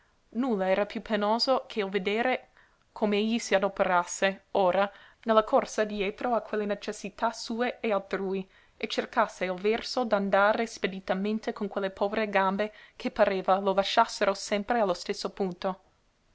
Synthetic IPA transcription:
nulːaɛːɾapjupʰenoːzokʰeilved̪eːɾe | kʰomeeʎːisiad̪opeɾasːeoːɾanelːakʰorsad̪jeːt̪ɾoakʰwelːenet͡ʃesːit̪asuːeealt̪ɾuːi | et͡ʃerkasːeilvɛrsod̪and̪aːɾesped̪it̪ament̪ekonkwelːepʰɔːveɾeɡambekʰepaɾeːvalolaʃːasːeɾosɛmpɾealːost̪esːopunt̪o

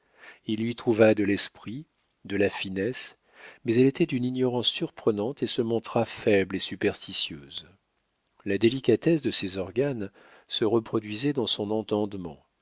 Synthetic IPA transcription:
ilːɥit̪χuvad̪əlɛspχi | d̪əlafinɛs | mɛzɛlet̪ɛd̪yninjɔʁɑ̃sːyʁpχənɑ̃t̪esəmɔ̃t̪χafɛblesypɛʁst̪isjøːz | lad̪elikʲat̪ɛsd̪əsɛzɔʁɡan | səʁəpχɔd̪ɥizɛd̪ɑ̃sɔ̃nɑ̃t̪ɑ̃d̪mɑ̃

